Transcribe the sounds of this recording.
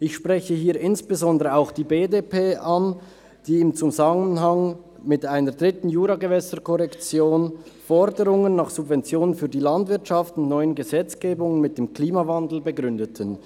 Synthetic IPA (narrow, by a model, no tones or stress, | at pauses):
ʔɪçʃpʁɛçəhiːɐɪnsb̥əzɔndəʁəaʊxd̥iːbeːdepʰeːʔan | d̥iːɪmt͡suzamənɦaŋ | mɪtʔaɪnəɾd̥ʁɪtn̩juːɾaɡəvɛsəkʰɔʁɛkt͡sjoːnfɔɾdəʁʊŋənːaːχsubvɛnt͡sjoːnənfyːɐdiːlandvɪɐtʃaftʊntnɔʏənɡəzɛt͡sɡ̥eːbʊŋənmɪt̚d̥eːmkliːmavandl̩bəɡʁʏndətʰən